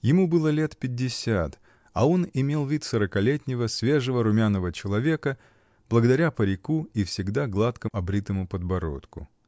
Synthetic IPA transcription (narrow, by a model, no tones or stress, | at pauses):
jɪmubɨlˠəlʲe̞t̪pʲɪdʲːɪsʲat̪ | ɐ̰o̞nɪmʲe̞lˠvʲit̪səɾəkɐlʲetʲnʲɪvəsʲvʲe̞ʐəvəɾʊmʲanːəvət͡ɕɪlˠɐvʲe̞kə | b̥lˠəɡəd̪ɐɾʲapəɾʲɪkuifsʲɪɡd̪aɡlˠat̪kəɐbɾʲit̪əmʊpəd̪bɐɾo̞̰t̪kʊ̰